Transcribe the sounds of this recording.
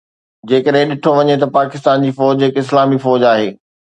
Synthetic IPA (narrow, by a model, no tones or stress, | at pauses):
d͡ʑeːkəɗɦɪ̃ɗɪʈʰoʋɐɲet̪ɐpaːkɪs̬t̪aːnd͡ʑiːfɔːd͡ʑɦɪkɪslaːmifɔːd͡ʑaːɦeː